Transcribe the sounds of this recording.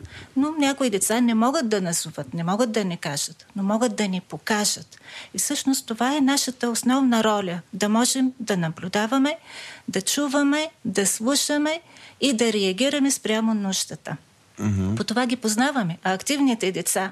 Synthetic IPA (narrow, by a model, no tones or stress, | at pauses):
nonʲakoid̪ɛt̪sanɛmɔɡət̪̚d̪ɐnɐzuvət̪nɛmɔɡət̪̚d̪ɐnɛkaʒ̥ət̪nomɔɡət̪̚d̪ɐnipokaʒət̪ifsɤʃnost̪ːovaɛnaʃət̪əosnɔvnɐɾɔlʲəd̪ɐmɔʒɛmd̪ɐnɐblʲʊd̪avɐmɛd̪ɐt͡ʃuvɐmɛd̪ɐslˠuʃəmɛid̪ɐɾɛɐɡʲiɾɐmɛspɾʲamonuʃt̪ət̪ə | pot̪ovaɡʲipoznavɐmɛɐːkt̪ivnit̪ɛd̪ɛt̪sa